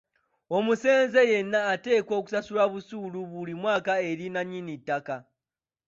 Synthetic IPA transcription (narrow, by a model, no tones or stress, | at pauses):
o̞muse̞ːnze̞je̞nːaːte̞ːko̞ːku̥sasulaβusuːluβulimwaːkae̞ɾinaɲːinitːaka